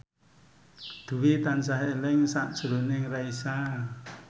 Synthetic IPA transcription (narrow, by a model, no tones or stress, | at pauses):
d̪̥ṳwit̪ansaɦelɪŋsaʔd̥ʒ̥ṳɾunɪŋraisa